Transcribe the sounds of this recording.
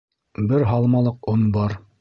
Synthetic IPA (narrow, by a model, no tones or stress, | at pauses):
bɘɾɦɑlˠmɑlˠɤqonbɑɾ